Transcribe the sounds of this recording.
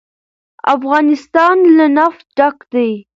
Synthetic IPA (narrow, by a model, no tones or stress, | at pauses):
a̰fɣɑnɪst̪ɑnlanaf̚ɖakd̪aj